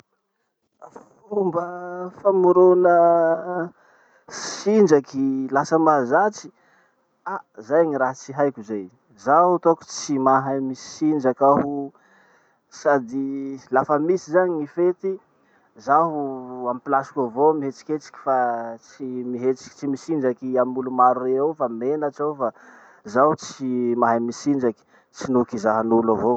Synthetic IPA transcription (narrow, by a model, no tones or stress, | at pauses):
fumbəfamuɾonə | sind͡ʒakilasəmaɦzat͡si̥ | azajaɲiɾaɦt͡siɦajkʲuzaj | zaɦut̪oku̥t͡simaɦamisi̥sind͡ʒakaɦu | sad̪ilafəmisizaɲiifet̪i | zaɦuamipilasi̥kʲavomiɦet͡si̥kʲet͡si̥kʲi̥fat͡simiɦet͡si̥kʲi̥t͡simisind͡ʒakiamulumaɾureawfamenaʈ͡ʂawfa | zaɦut͡simaɦajmisind͡ʒaki̥ | t͡sinukizaɦanulavo